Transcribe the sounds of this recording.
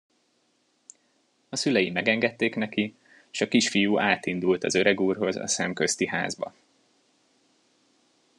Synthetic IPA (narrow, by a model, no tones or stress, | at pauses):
ɒsylɛjimːɛɡɛŋɡɛt̪ːeːknɛki | ʃɒkiʃfijuːʔaːt̪ind̪ult̪ɒ̰zø̞ɾɛɡuːrɦo̞zɒ̰sɛmkø̞st̪iɦa̰ːzbɒ̰